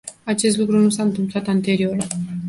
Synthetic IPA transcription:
at͡ʃe̞st̪lukɾunusaɨnt̪ɨmplat̪ant̪e̞ɾio̞r

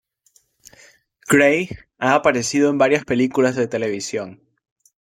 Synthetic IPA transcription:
ɡ̥ɾej | aːpaɾe̞sið̞o̞e̞mbaɾjaspe̞likulazðe̞t̪e̞le̞β̞isjo̞n

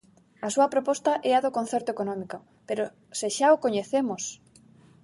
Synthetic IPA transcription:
ɐsuɐpɾopɔst̪ɐʔɛɐðokõn̟θeɾt̪oekonɔ̃miko | peɾo | seʃaokoɲeθemos

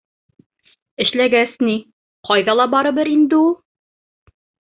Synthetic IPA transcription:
ɘ̆ʃlæɡæsni | qɒjðɑlˠɑbɒɾɤ̆bɘɾind̪ɘulˠ

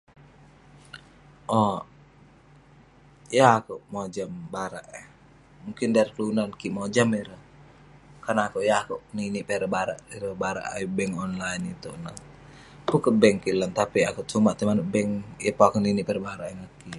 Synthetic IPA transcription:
ʔɔ | jaːkuʔmod͡ʒambaɾaʔɛ | muŋkɪndaɾikəlunankiʔmod͡ʒamiɾəh | karnaakuʔjaːkuʔniniʔpɛɾəbaɾa̰ʔiɾəbaɾa̰ʔa̰ibɛŋɔnlainit̪uʔna | kukəbɛŋkilant̪apiakuʔt͡ʃumaʔt̪imanuʔbɛŋjapaakuniniʔpɛɾəbaɾaʔiŋaki

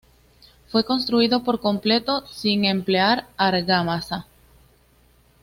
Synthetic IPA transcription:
fwe̞ko̞ns̬t̪ɾuiðo̞po̞ɾko̞mple̞t̪o̞siŋe̞mpleaɾaɾɣamasa

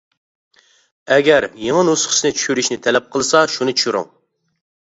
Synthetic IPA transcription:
ɛɡʲɛɾjeŋənusχə̥snɪt͡ʃʰy̥ʃyɾyʃnɪt̪ʰɛlɛp̚qʰəlˠɨsɑʃunɨt͡ʃʰy̥ʃyɾṵŋ

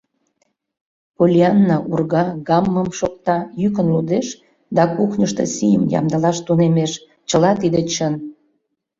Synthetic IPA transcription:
polʲiɑnːɑʔurɣɑɣɑmːəmʃok̚t̪ɑjyk̬ənlud̪eʃ | d̪ɑkuxnʲəʃt̪ḛsijəmjɑ̰md̪əlɑʃt̪unemeʃ | t͡ɕəlɑt̪id̪et͡ɕən

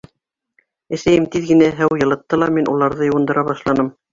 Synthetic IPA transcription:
æ̆sæjɘmt̪iðɡɘ̆næɦæwjɤ̆lˠɤ̆t̪ːɤlˠɑminʔulˠɑɾðɤjɤ̆wɤ̆nd̪ɤ̆ɾʔɑβɑʃlˠɑnɤm

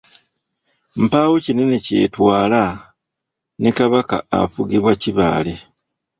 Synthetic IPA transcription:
m̩paːwucinenecḛːtwaːla | nikaβaka̰ːfuɡiβwaciβa̰ːle

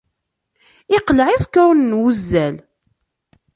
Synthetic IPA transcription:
ɪqlʕizkːɾʊnːwuzːæl

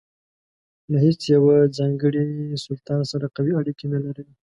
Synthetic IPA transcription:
laɦet͡sjawad͡zɑŋɡəɽisʊlt̪ɑnsaɾaqawiaɽikinalaɾi

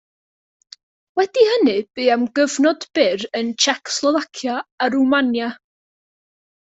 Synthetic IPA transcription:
wɛd̥ihənɨb̥ɨːamɡəvnɔd̥b̥ɪɾənt͡ʃʰɛkʰslˠɔvakʰjaːɾumanja

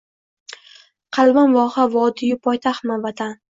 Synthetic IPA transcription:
qʰɑlˠbanvɒhavɒd̪ijɪpʰɒjt̪ʰaχmavat̪ʰan

